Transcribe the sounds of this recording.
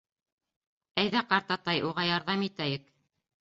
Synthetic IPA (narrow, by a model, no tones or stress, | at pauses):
æjðæqɑɾt̪ɑt̪ɑjʔuʁɑjɑɾðɑmit̪æjɘk